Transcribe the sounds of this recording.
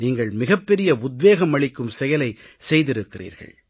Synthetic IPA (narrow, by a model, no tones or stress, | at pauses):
niːŋɡɐɭmɪɣɐpːɛɾɪjɐʊd̪̚ʋeːɣɐmɐɭɪkːɯmsɛjɐlɐɪ | sɛjðɪɾɯkːɪrḭːɾɣɐ̰ɭ